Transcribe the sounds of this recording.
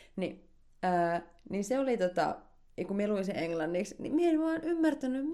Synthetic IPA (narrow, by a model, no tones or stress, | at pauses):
ni | əː | ninseolit̪ot̪ɑ̰ | kummieluinsieŋlɑnːiksnḭmieenʋɑːnymːært̪ænːym